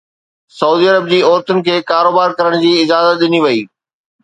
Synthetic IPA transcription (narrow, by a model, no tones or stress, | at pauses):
sɐuːd̪iːɐɾəb̚d͡ʑiːɔːɾt̪ʊnɪ̆kʰeːkaːɾoːbaːɾkɐɾəɽ̃d͡ʑiːɪzaːzət̪̚ɗɪniʋɐiː